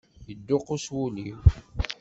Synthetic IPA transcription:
jəd̪ːʊqʊswuliw

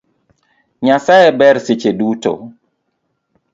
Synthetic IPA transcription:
ɲasajebɛɾset͡ʃeduto̰

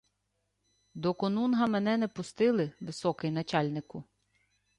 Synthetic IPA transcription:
d̪ɔkɔnunɦɐmɛnɛnɛpʊst̪ɪlˠɪʋɪsɔkɪjnɐt͡ʃɑlʲnɪkʊ

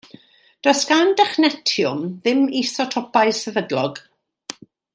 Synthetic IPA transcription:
d̥ɔskandɛχnɛtʰjʊmðɪmisɔtʰɔpajsəvədlɔɡ̥

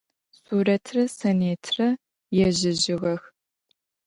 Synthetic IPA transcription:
suːɾɐtʰrɐsɐneːtʰrɐ | jɛʑɪʒɪɣɐx

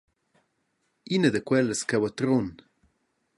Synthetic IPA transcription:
inəd̪əkwɛləskɛwat̪ɾon

